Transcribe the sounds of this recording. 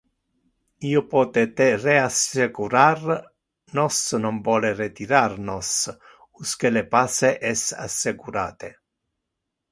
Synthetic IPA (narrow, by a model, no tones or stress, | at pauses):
iːopɔːt̪et̪ereasekuɾar | nɔsnɔmvɔːleret̪iɾarnɔs | uskelepaːseʔɛsa̰sːekuɾa̰ːt̪e